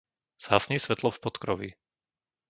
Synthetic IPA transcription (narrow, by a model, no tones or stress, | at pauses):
z̥aːsɲisʋɛt̪lɔfpɔt̪kɾɔʋḭ